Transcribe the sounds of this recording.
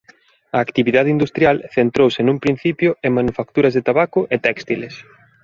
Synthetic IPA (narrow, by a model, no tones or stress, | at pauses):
ɐːkt̪iβiðaðɪind̪ust̪ɾjalθent̪ɾowsɪnũmpɾin̟θipjʊemmanufakt̪uɾɐzðet̪aβakʊʔet̪ɛkst̪iles